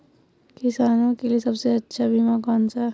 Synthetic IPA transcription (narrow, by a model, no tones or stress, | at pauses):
kɪsaːnõkeliesɐbseɐtːʃʰabʱimakaːnsa